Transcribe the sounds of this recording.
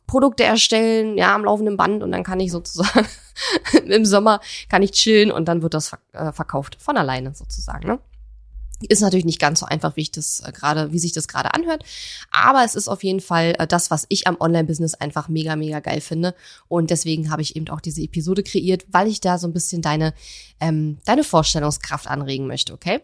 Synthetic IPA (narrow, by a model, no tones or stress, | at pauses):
pʁ̥odʊk̚təʔɛɐʃtɛlənja̰ːamlaʊfn̩dənba̰ntʊ̰ntd̥a̰nkʰanɪçz̥oːt͡suzaːɡ | ɪmzɔmɐkʰanɪçt͡ʃɪlənʊ̰nt̚d̥anvɪɐt̚d̥asfʔɛːfɛɐkʰaʊftfɔnalaɪnəzoːt͡suza̰ːɡŋ̩nə | ʔɪstnatʰyːɐlɪçnɪçtɡ̥ant͡sz̥oːʔa̰ɪnfaχviːɪçd̥asɡ̥ʁaːɾəviːzɪçd̥asɡ̥ʁa̰ːɾə̰ʔa̰nhøɐtʔa̰ːbɐɛsɪsta̰ʊfjeːdn̩falʔɛ̰ːd̥asv̥asɪçamʔɔnlaɪnbɪznɪsʔaɪnfaχmeːɡameːɡaɡa̰ɪlfɪndəʔʊntd̥ɛsv̥eːɡŋ̩ɦaːbəɪçḛːbm̩taʊxd̥iːzəepizoːdəkʁ̥eʔiːɐtvaɪlɪçd̥aːzoːnbɪsçəndaɪnəʔɛːmd̥aɪnəfoːɐʃtɛlʊŋskʁ̥aftʔa̰nʁeːɡŋ̩mœ̰çtəʔokʰeː